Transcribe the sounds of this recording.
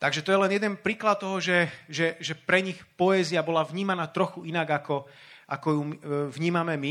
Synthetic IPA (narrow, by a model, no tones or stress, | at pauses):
t̪aɡʒɛt̪ɔjɛlɛnjɛd̪ɛnpɾiːklat̪̚t̪ːɔɦɔʒɛʒɛʒɛpɾɛɲixpɔɛːziabɔlavɲiːmanaːt̪ɾɔxuinaɡakɔ | ʔakɔjumvɲiːmamɛmi